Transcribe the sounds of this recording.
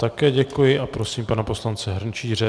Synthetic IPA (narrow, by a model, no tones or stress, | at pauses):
t̪akɛːɟɛkujɪʔapɾo̞siːmpanapo̞slant͡sɛɦr̩nt͡ʃiːrɛ